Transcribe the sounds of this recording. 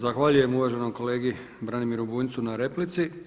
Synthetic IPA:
zaxʋaːʎuje̞muʋaːʒe̞nomko̞leːɡi | bɾanimiɾubuːnt̪sunaɾeplit̪si

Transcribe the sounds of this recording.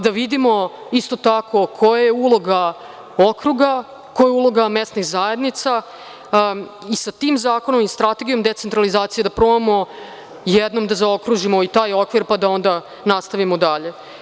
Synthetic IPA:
d̪aʋid̪imo̞ist̪ot̪akʰo̞kʰo̞jajeulˠo̞ɡa | okɾuɡa | kojeulˠo̞ɡamest̪nixzajed̪nit̪sa | isat̪iːmzaːkonomist̪ɾat̪e̞ɡijo̞md̪e̞t̪ent̪ɾalizaːt̪sijed̪apɾomamo̞ | jɛd̪no̞md̪azao̞kɾuʒimo̞it̪aːjo̞kʋiɾpad̪ao̞nd̪a | nast̪aʋimod̪aʎe̞

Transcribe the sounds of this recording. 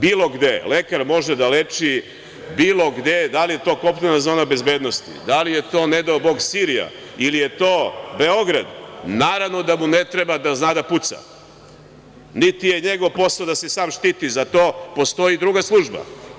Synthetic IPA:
biːlˠo̞ɡd̪ele̞kaɾmo̞ʒed̪alet͡ʃi | biːlˠo̞ɡd̪e̞d̪alijet̪o̞ko̞plenazoːnabe̞zbe̞ːd̪nost̪ḭd̪alije̞t̪o̞ːne̞d̪aobo̞ɡsiɾija̰ilije̞t̪oːbe̞o̞ɡɾa̰d̪naːɾaʋno̞d̪amunet̪ɾebad̪aznad̪aput̪sa̰ | nit̪ije̞ɲeɡo̞ʋpo̞saod̪ase̞saːmʃt̪iːt̪izat̪oːpo̞st̪o̞jid̪ɾuːɡaslˠuːʒba̰

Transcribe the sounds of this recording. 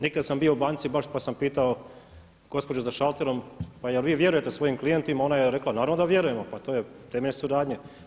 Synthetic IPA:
nikd̪ad̪sambio̞ubaːnsibaʃpasampiːt̪ao | ɡ̥o̞spo̞d͡ʑuzaʃalˠt̪eɾo̞mpajelʋiːʋje̞ɾuje̞t̪esʋoːjimklije̞nt̪imao̞najeɾe̞klˠanaːɾavnod̪aʋje̞ɾujemopat̪oːjet̪eːmeʎesuɾaːd̪ɲe

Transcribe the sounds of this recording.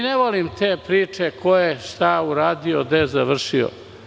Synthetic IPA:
neʋolimt̪eːpɾiːt͡ʂekʰojeʃt̪auɾaːd̪iod̪ezaʋr̩ʃio̰

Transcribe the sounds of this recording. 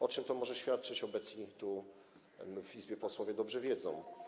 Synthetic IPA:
ɔt͡ʂɘmt̪ɔmɔʐɛɕfʲjat̪̚t͡ʂɘt͡ɕɔbɛt̪sɲit̪u | vizbʲjɛpɔswɔvʲjɛd̪ɔbʐɛvʲjɛd̪zɔ̰̃w̃

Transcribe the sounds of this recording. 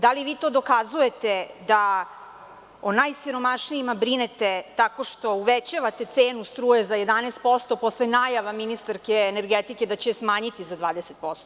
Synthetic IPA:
d̪aliʋiːt̪oːd̪o̞kazuje̞t̪ed̪a | onajsiɾo̞maʃniimabɾinet̪et̪ako̞ʃt̪o̞uʋet͡ɕaʋat̪e̞t̪seːnust̪ɾuːjezaje̞d̪anest̪̚po̞st̪o̞po̞slenajaʋaminist̪aɾkeːneɾɡet̪iked̪at͡ɕesmaːɲit̪izad̪ʋaːd̪eset̪̚po̞st̪o

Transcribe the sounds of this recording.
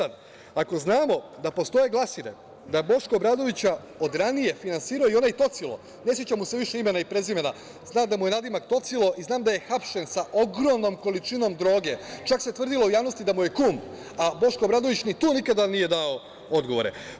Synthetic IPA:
ad̪ | ako̞znaːmo̞d̪apo̞st̪o̞je̞ɡlˠasiɾe̞̰ | d̪abo̞ʃkobɾad̪o̞ʋit͡ɕa | o̞d̪ɾanije̞finansiːɾaoio̞najt̪o̞t̪silˠo̞̰ | ne̞s̬jet͡ɕamuse̞ʋiʃe̞ime̞naipɾe̞zime̞na | znaːmd̪amuje̞nad̪imak̚t̪o̞t̪silo̞ʔiznaːmd̪aje̞xapʃe̞nsaʔo̞ɡɾomno̞mko̞lit͡ʃino̞md̪ɾo̞ːɡe̞t͡ʃakset̪ʋr̩d̪ilˠo̞ujaːʋno̞st̪id̪amuje̞kuːm | abo̞ʃko̞bɾad̪o̞ʋit͡ɕnit̪uːnikad̪anije̞d̪ao | o̞d̪ɡo̞ʋo̞ɾe̞̰

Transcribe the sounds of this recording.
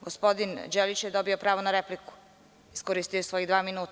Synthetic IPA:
ɡospo̞d̪ind͡ʒelit͡ʃjed̪o̞biopɾaːʋo̞naɾepliku̥ | iskoɾist̪ijosʋo̞jid̪ʋaːminuːt̪

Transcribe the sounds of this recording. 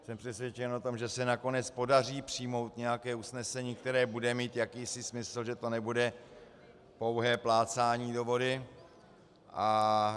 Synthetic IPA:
sɛmpr̥ɛsvjɛt͡ʃɛnot̪o̞mʒɛsɛnako̞nɛt͡spo̞dar̝iːpr̥ijmo̞wt̪ɲɛjakɛːusnɛsɛɲiːk̚t̪ɛɾɛːbudɛmiːt̪jakiːsɪsmɪsl̩ʒɛt̪o̞nɛbudɛ | po̞wɦɛːplaːt͡saːɲiːdo̞vo̞dɪ | ʔa

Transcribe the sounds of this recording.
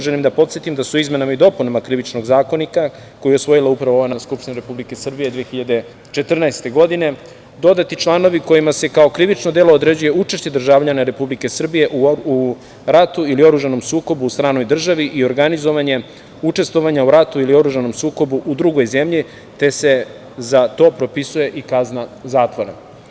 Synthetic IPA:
ʒenimd̪apo̞t̪sjet̪imd̪asuizme̞namaid̪o̞punamakɾiʋit͡ʃno̞ɡzaːko̞nika | kojo̞sʋo̞jilaupɾaʋooʋejnaskupʃt̪ineɾepublike̞sr̩bijed̪ʋeexiʎad̪e̞ | t͡ʃe̞t̪r̩naest̪e̞ɡo̞d̪ine̞ | d̪o̞d̪at̪it͡ʃlˠano̞ʋiko̞jimase̞kao̞kɾiʋit͡ʃnod̪e̞lo̞ːd̪ɾe̞d͡ʑuje̞ut͡ʃe̞ʃt͡ɕe̞d̪r̩ʒaːʋʎanaɾe̞publike̞sr̩bije̞ʔuu | ɾat̪uilio̞ɾuʒano̞msuːko̞buːst̪ɾaːno̞jd̪r̩ʒaʋiʔio̞ɾɡanizo̞ʋaɲe̞ | ut͡ʂe̞st̪ʋo̞ʋaɲauɾat̪uilio̞ɾuʒano̞msuːko̞buʔud̪ɾuɡo̞jze̞mʎi | t̪e̞se̞ | zat̪o̞ːpɾo̞pisuje̞ʔikaznazaːt̪ʋoɾḛ

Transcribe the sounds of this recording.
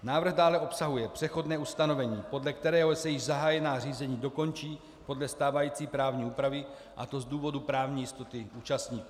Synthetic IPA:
naːvɾr̩ɣdaːlɛʔo̞psaɦujɛpr̥ɛxo̞dnɛːust̪ano̞vɛɲiːpo̞dlɛk̚t̪ɛɾɛːɦosɛjɪʒzaɦaːjɛnaːr̝iːzɛɲiːdo̞ko̞nt͡ʃiː | po̞dlɛst̪aːvajiːt͡siːpɾaːvɲiːuːpɾavɪ | ʔa̰t̪o̞zduːvo̞dupɾaːvɲiːjɪst̪o̞t̪ɪuːt͡ʃast̪ɲiːkuː

